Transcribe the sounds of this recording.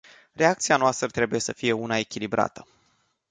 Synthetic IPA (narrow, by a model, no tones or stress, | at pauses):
re̞ak̚t̪sianoast̪ɾət̪ɾe̞buje̞səfije̞unae̞kʲilibɾa̰t̪ə